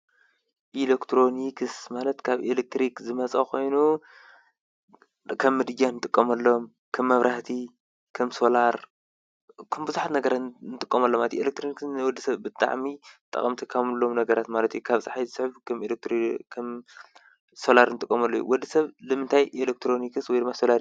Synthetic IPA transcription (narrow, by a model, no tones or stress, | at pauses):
ʔilekt̪ʰɾo̞nikʰsmalɐt̪kʰaβelek̚t̪ɾikzɨmɐt͡sʼɐkʰo̞jnu | kʰɐmːɨd̪ɨjːanɨt̪ʼɨkʼːɐmɐlːom | kʰɐmːɐβɾaht̪ʰi | kʰɐmso̞laɾ | kʰɐmbɨzuħat̪nɐɡɐɾat̪nɨt̪ʼɨkʼːɐmɐlːomat̪ʰielek̚t̪ʰɾoniksnɨwɔd̪ːisɐβbɨt̪ʼːa̰ʕmit̪ʼːɐ̰χʼɐmt̪ʰikʰamɨlːo̞mnɐɡɐɾat̪malɐt̪ʰjukʰaβsʼaħajsɨħβkʰɐmelek̚t̪ɾikʰɐm | so̞laɾnɨt̪ʼɨkʼːɐmɐlːojṵwɔd̪ːisɐβlɨmɨnt̪ʰajʔelek̚t̪ʰɾo̞nikɨswɔjd̪ɨmːaso̞laɾ